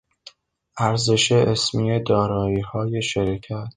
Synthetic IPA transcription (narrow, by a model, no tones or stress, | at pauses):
ʔæɾze̞ʃeʔesmijed̪ɒːɾɒːiːhɒːje̞ʃeɾikʰæt̪̚